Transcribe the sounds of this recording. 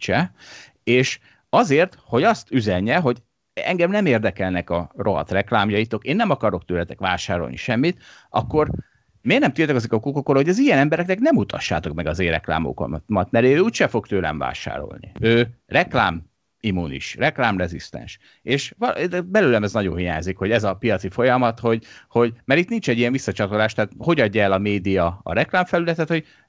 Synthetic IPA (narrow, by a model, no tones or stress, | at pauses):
t͡ʃɛ | eːʃ | ɒzeːrt̪ho̞ɟɒst̪yzɛɲːɛɦo̞ɟ | ɛ̰ŋɡɛmnɛmeːrd̪ɛkɛlnɛkɒrʔo̞ɦɒ̰t̪rɛklaːmjɒjit̪o̞keːnːɛmɒkɒɾo̞kt̪øːlɛt̪ɛkʋaːʃaːɾo̞̰lnḭʃɛmːit̪ʔɒ̰kːo̞r | meːɡnɛmt̪iːlt̪ɛkɒzikɒkukokːoɾho̞ɟɛzijɛnɛmbɛɾɛknɛknɛmut̪ʰɒ̰ʃːa̰ːt̪o̞kmɛɡɒzeːrɛkla̰ːmo̰ko̰nt̪mɒt̪mɛɾeøuːcʃɛfo̞kt̪øːlɛ̰ɱva̰ːʃa̰ːɾo̞̰lnḭøːrɛklaːm | imːunḭʃrɛklaːmrɛzist̪ɛ̰nʃ | eːʃvɒbɛløːlɛmɛznɒɟo̰nɦija̰ːɲzikho̞ɟɛzɒpijɒt̪sifo̞jɒmɒt̪ho̞ɟho̞ɟmɛɾit̪nint͡ʃɛɟːijɛɱvisːɒt͡ʃɒt̪olaːʃt̪ɛaːt̪ho̞ɟɒɟːɒɛlɒmeːd̪ijɒɒ̰ɾɛklaːɱfɛlylɛt̪ɛt̪ho̞ɟ